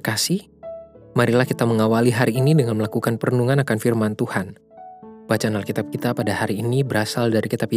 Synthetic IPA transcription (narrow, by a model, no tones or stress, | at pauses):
kasih | maɾilahkit̪aməŋawaliɦaɾiːnidəŋanməlakukanpərənuŋanakanfirmant̪uhan | bat͡ʃaːnalkit̪ap̚kit̪apadahaɾiːnibəɾasaldaɾikit̪apj